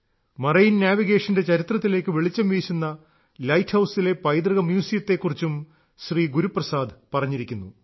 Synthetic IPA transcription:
mɐrɐjinnjaːʋiɣe̞ːʂɐnde̞t͡ɕɐɾit̪rɐt̪ːile̞ːkːɨʋeɭit͡ɕːɐmʋiːɕunːɐ | lɐjtʰhɐwsile̞pɐjd̪rɨɣɐmjuːsijɐt̪ːe̞kːurit͡ɕːum | ɕriːɡuɾuprɐsaːd̪pɐrɐɲːiɾikʲːunːu

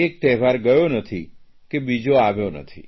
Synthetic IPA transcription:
ek̚t̪ɛɦʋaɾɡəjonət̪ʰi | kebid͡ʒoaʋjonə̰t̪ʰḭ

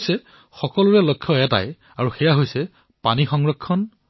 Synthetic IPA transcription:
jsɛ | xɔkɔlʊɹɛlokʰːɔɛta̰j | aɹuxɛjaɦojsɛ | panixɔŋɹɔkʰːɔn

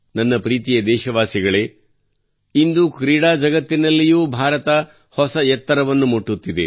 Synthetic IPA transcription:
nɐnːɐpɾiːt̪ijɐd̪ɛːʃɐʋaːsiɡɐɭe̞ | ind̪ukɾiːɽaːd͡ʒɐɡɐt̪ːinɐlːijuːbʱaːɾɐt̪ɐ | hɔsɐjɛt̪ːɐɾɐʋɐnːumoʈːut̪ːid̪e̞̰

